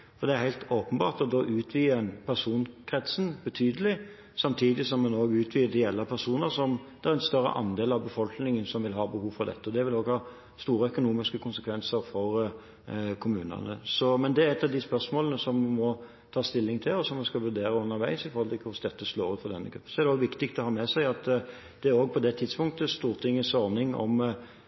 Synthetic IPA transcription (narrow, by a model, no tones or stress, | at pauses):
fɔɾd̪ɛæɾhæɪt̪oːpənbɑ̰ːʁt̪ɔd̪oːʔʉːt̪ʰʋiːɛnpʰæʁsuːnkʰʁɛt̪sn̩bət̪ʰyːd̪əlɪ | sɑmt̪ʰiːd̪ɪsɔmːɑnoːɡʉːt̪ʰʋiːəd̪ɛjɛlːəpʰæɾsuːnəɾsɔmd̪̥æɾɛnst̪œɾːə̰ʔɑ̰nd̪eːlɑʋbəfɔlknɪŋənsɔmʋɪlɦɑːbəhuːʋfɔɾd̪ɛ̰t̪ːəɔd̪ɛʋɪloːɡhɑː | st̪uːɾəœkʊnuːmɪskəkʰʊnsəkʰʋɛnsəɾfɔɾ | kʰʊmʉːnə̰nə̰sɔmɛnd̪ɛæɾɛt̪ːɑʋd̪ɪspœɾsmoːlənəsɔmmɔ | t̪ʰɑːst̪ɪlːɪŋt̪ʰɪlɔsɔmːɔskɑlʋʉɾd̪eːɾəʉnːəɾʋæɪsɪfɔɾhɔlt̪ʰɪlkʰʋɪsd̪ɛt̪ːəsloːɾʉfɔɾd̪ɛnːəɡɾʉpːən̩sɔæʁɾdɛoːɡʋɪkt̪ɪk̚t̪ɔhɑːmɛsæɪɑt̪ | d̪̥ɛæɾoːɡ̚pʰɔd̪ɛt̪ʰɪd̪spʊŋt̪əst̪uːɾt̪ʰɪŋːəsɔɾnɪŋɔ̰m